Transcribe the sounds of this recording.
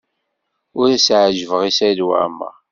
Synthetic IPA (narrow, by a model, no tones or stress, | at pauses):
ʊɾæsʕʒəvəʁisæjlwa̰mə̰